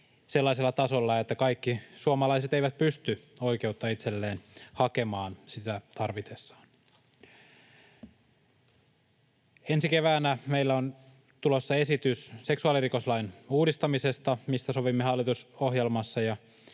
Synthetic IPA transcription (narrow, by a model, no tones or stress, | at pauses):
se̞lːɑiselːɑt̪ɑsolːɑet̪ːækɑikːisuomɑlɑjset̪eijʋæt̪̚pyst̪yo̞jke̞ut̪ːɑit̪selːeːnhɑke̞mɑːnsit̪æt̪ɑrʋit̪esːɑ̥ːn | ensike̞ʋæːnæmeilːæon | t̪ulosːɑe̞sit̪ysse̞ksuɑlirikoslɑinuːdist̪ɑmise̞st̪ɑmist̪æso̞ʋimːeɦɑlːˑit̪uso̞ɦjelmɑsːɑjɑ